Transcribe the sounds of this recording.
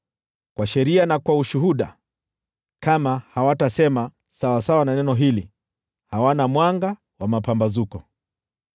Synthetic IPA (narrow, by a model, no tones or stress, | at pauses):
kwaʃɛɾianakwauʃuɦuɗa̰ | kamahawatasɛma | sawasawananɛnɔɦili | hawanamwaŋɡa | wamapambazukɔ